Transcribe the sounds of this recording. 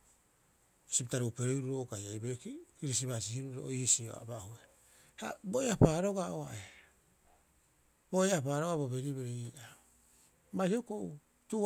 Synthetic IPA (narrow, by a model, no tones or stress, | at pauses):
siptaɾuupeɾeɾuɾoɡajajbekikiɾis̬iβasihiɾuɾoisio̰a̰bahue | ha̰boeapaɾo̞ɡaoae | boeapaːɾo̞ɡabobeɾiβeɾeiːa | maihokou | tu